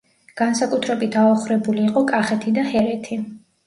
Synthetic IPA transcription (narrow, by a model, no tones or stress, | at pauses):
ɡ̥ansakʼut̪ʰɾɛbit̪ʰaɔχɾɛbuliːqʼɔkʼaχɛt̪ʰid̪ahɛɾɛt̪ʰi